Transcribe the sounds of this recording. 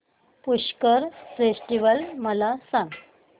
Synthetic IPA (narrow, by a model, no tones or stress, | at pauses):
puɕkəɾfesʈiʋəlməlasãŋɡ